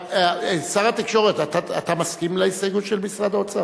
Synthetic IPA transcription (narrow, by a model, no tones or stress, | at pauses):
saʁat̪ikʃo̞ʁet̪at̪aa̰t̪amaskimlaisaɡut̪ʃelmisʁad̪ot͡sa